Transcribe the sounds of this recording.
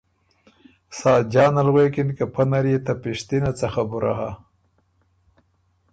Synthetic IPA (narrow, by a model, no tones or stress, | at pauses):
sɑːd͡ʒɑːnalɣweːkinkapʰanaɾjet̪apiʃt̪inat͡saxabuɾʔa̰ha̰